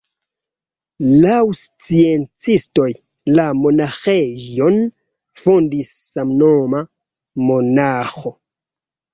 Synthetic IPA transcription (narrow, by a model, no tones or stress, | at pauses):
lawst͡sient͡sisto̞j | lamo̞naxeon | fondisːamnoma | monaxo